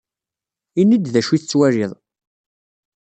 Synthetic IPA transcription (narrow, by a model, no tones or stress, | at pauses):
inːəd̪ðæʃiθt͡sːwæɾɪðˤ